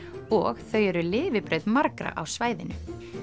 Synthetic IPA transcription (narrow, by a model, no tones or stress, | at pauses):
ɔɣθœɥɛɾʏlɪːvɪpɾœɥðmaɾkɾa̰ʔawsvaːjðɪnʏ